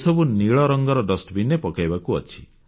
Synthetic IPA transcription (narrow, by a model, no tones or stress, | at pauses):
sɔbuniɭɔɾɔŋɡɔɾɔɖɔsʈbinepɔkajbakuɔt͡ʃʰi̥